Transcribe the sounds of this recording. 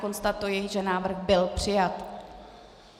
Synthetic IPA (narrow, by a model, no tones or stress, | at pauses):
ko̞nst̪at̪ujɪʒɛnaːvr̩xbɪlpr̝̥ɪjat̪